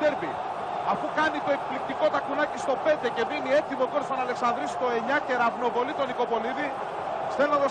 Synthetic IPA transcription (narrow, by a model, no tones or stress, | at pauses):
eɾpḭ | ɐfukɐnit̪o̞e̞kplik̚t̪iko̞t̪ɐkunɐcist̪o̞pe̞nd̪e̞ce̞minie̞t̪imokoɾsfɐnɐle̞ksɐnd̪ɾist̪oe̞ɲɐce̞ɾɐvno̞vo̞lit̪o̞niko̞po̞liði | selnɐðo